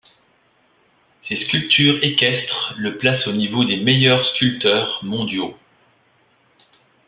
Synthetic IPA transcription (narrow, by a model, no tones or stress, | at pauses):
seskʲylpt̪ʰyʁekʲɛst̪χləplasonivod̪emejœʁskʲylt̪œʁmɔ̃d̪jo